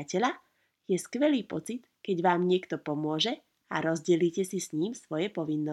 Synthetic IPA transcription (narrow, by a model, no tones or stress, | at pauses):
acɛʎa | jɛskʋɛliːpɔt͡sit̪kɛɟʋaːmɲɪɛkt̪ɔpɔmʊɔʒɛ | aɾɔzɟɛliːcɛsisɲiːmsʋɔjɛpɔʋinːɔ